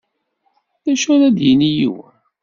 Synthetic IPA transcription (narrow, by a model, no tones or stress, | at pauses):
ðæʃʊɾæd̪jənijḭw